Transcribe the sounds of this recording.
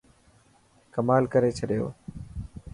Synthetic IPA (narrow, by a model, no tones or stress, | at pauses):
kəmaːlkəɾeːt͡ʃʰəɗɪjo̰ː